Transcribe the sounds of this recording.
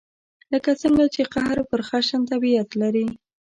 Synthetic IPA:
ləkat͡səŋɡat͡ʃeqahɾpəɾxaʃant̪abiat̪laɾi

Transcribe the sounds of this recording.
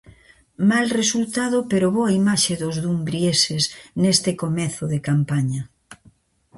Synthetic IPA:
malresult̪aðopeɾoβoaimaʃeðozðumbɾjesesnest̪ɪkomɛθʊðekampaɲɐ

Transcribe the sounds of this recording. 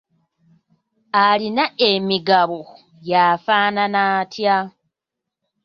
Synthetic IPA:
alinaemiɡaβo | jaːfaːnanaːtʰja

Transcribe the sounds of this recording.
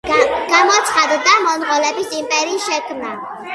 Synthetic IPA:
ɡ̥amɔt̪sʰχad̪d̪amɔnʁɔlɛbisimpʼɛɾiːʃɛkʰmna

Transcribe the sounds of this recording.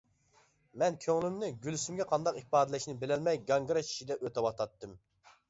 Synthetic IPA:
mɛnkʲʰøŋlɪmnɪɡʲylsymɡʲɛqʰɑnd̪ɑqihpɑːd̪ɛlɛʃnɪbɪlɛlmɛjɡɑŋɡɾɑt͡ʃʰi̥ʃid̪ɛʔøt̪ɛwɑt̪ɑt̪ːɨm

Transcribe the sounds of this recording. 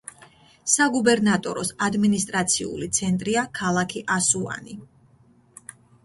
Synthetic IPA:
saɡubɛɾnat̪ʼɔ̰ɾɔsad̪minist̪ʼɾat̪sʰiṵlit̪sʰɛnt̪ʼɾiakʰalˠakʰiʔasua̰ni

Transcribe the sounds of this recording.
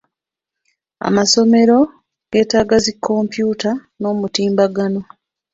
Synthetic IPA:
a̰maso̞me̞ɾo̞ | ɡ̥e̞ːtaːɡazikʰːo̞mpjuːta | no̞ːmutiːmbaɡano̞

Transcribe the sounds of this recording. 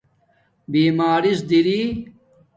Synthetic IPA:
biːmaːɾisd̪iɾiː

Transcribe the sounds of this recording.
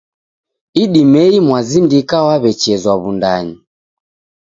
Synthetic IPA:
iɗimɛimwazindikawaβɛt͡ʃɛzwaβundaɲi

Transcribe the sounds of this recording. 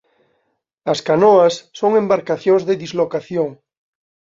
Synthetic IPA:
askanoasːoŋembaɾkaθjoŋzðeðizlokaθjoŋ

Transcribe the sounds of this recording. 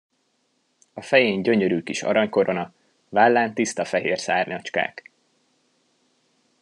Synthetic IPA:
ɒfɛjeːɲɟø̞ɲøɾyːkiʃɒ̰ɾɒɲko̞ɾo̞nɒ | valːaːnt̪ist̪ɒfɛɦeːrsaːrɲɒt͡ʃka̰ːk

